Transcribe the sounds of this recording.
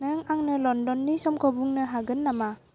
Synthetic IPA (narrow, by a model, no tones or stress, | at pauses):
nɯŋaŋnɯlɔndɔnːisɔmkʰɔbuŋnɯɦaɡɯnːama